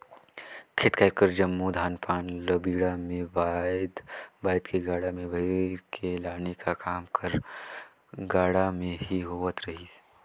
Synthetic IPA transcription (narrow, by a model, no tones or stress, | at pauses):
kʰet̪kaɪkəɾd͡ʒɐmːud̪ʱaːnpaːnlɐbiːɽamẽʋad̪baːɪd̪kʰeɡaːɽamẽbʱɐiɾekʰelaːnekʰakaːmkʰɐɾ | ɡaːɽamẽɦiɦoːʋət̪ɾɐɦis